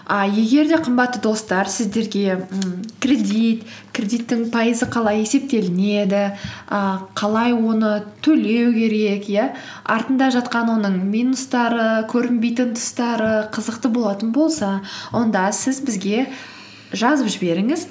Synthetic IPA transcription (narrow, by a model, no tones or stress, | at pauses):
ɑje̞ɡʲe̞ɾd̪e̞qʰəmbɑt̪ːəd̪o̞st̪ɑɾsɪzd̪e̞ɾɡʲe̞kʲrʲe̞d̪it̪kʲrʲe̞d̪ijt̪ːɪŋpʰɑjəzəqʰɑlˠɑje̞se̞p̚t̪e̞lɪne̞d̪ɪəqʰɑlˠɑjwo̞nət̪ʰɵle̞wkʲʰe̞ɾe̞kjæ | ɑ̰ɾt̪ənd̪ɑʒɑt̪qɑnwo̞nəɴmʲinust̪ɑɾəkʲʰɵɾɪmbe̞jt̪ɪnt̪ʰʊ̥st̪ɑɾəqʰəzəqt̪əbo̞lˠɑt̪ənbo̞lˠsɑwo̞nd̪ɑsɪzbɪzɡʲe̞ | ʒɑzəpʒɪbe̞ɾɪŋɪz